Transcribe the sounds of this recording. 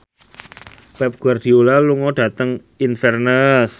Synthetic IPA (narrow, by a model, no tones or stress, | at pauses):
pɛp̚ɡ̥uard̥iolaluŋɔɖ̥a̤t̪əŋ | infɛrnəs